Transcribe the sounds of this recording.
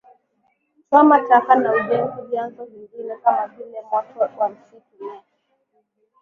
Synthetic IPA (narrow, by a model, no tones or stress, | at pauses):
sɔmatakanauʄɛnzuvjanzɔviŋɡinɛkamavilɛmwakɔwam̩siku